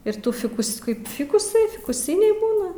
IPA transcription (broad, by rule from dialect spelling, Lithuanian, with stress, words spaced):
ɪr ˈtuː ˈfʲɪkʊs ˈkɐɪp ˈfʲɪkʊsɐɪ fʲɪkʊˈsʲɪnʲɛɪ ˈbuːnɐ